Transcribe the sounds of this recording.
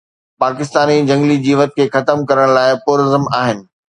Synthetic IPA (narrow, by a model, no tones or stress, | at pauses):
paːkɪst̪aːnid͡ʑʱɐ̃ŋɡlid͡ʑiːʋət̪̚kʰeːxɐt̪əmkɐɾəɽ̃laːɪpʊːɾəzəmaːɦɪnɪ̆